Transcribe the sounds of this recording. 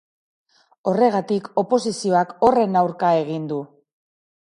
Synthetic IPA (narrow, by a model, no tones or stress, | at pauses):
o̞re̞ɣ̞at̪iko̞po̞sisio̞ako̞re̞nawɾkae̞ɣ̞ind̪u